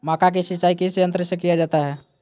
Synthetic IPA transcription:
maːkak̬isit͡ʃaːikisjə̃nt̪ɾəsəkijad͡ʒaːt̪aɦɛ

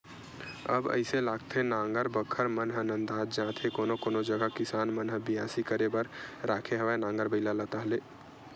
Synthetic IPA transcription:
ə̰bə̰ɪselaɡt̪ʰenãŋɡəɾbəkʰːəɾmənɦənə̃nd̪aːd͡ʒd͡ʒãt̪ʰekoːnokoːnod͡ʒəɡəkɪsaːnmənɦəbijaːsikəɾebəɾɾaːkʰeɦəʋanãŋɡəɾbəɪlalət̪əɦleː

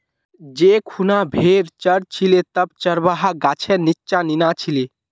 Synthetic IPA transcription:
d͡ʒekʰunabʱeɾt͡ʃəɾt͡ʃʰilet̪əb̚t͡ʃəɾbaɦaɡat͡ʃʰɛnitːt͡ʃaninat͡ʃʰile

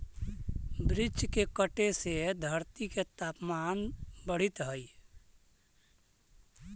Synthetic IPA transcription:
bɾɪd͡ʒkekəʈesed̪ʱəɾt̪iket̪aːpmanbəɽ̤it̪ɦəj

